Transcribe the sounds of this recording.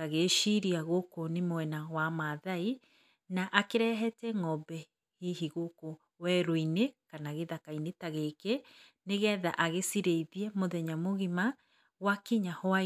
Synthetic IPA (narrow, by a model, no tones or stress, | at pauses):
aɣeʃiɾiaɣokonemowɛnawamaðai | naʔakeɾɛɦɛtɛŋɔbɛ | hiɦiɣoko | wɛɾoinekanaɣeðakainetaɣeke | neɣɛða̰ʔaɣesiɾeiðjɛmoðɛɲamoɣima | wakiɲahoa